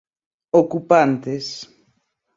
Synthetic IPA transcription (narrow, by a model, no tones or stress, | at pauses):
okupant̪es